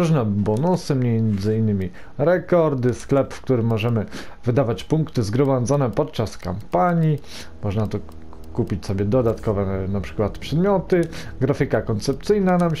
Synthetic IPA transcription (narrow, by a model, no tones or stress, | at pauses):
ɾuʐnɛbɔnusɘmɲɛnd̪zɘinːɘmʲi | ɾɛkɔɾd̪ɘsklɛpfkt̪uɾɘmːɔʐɛmɘ | vɘd̪avat͡ɕpuŋkt̪ɘzɡɾɔmad̪zɔnɛpɔt̪̚t͡ʂaska̰mpaɲi | mɔʐnat̪ɔ | kupʲit͡ɕsɔbʲɛd̪ɔd̪at̪kɔvɛnapʂɘ̥kwat̪pʂɛd̪mʲjɔt̪ɘɡɾafʲikakɔnt̪sɛp̚t̪sɘjnanam